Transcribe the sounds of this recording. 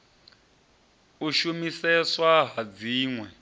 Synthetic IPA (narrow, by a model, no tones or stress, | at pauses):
uʃumisɛswaɦad͡ziːŋwɛ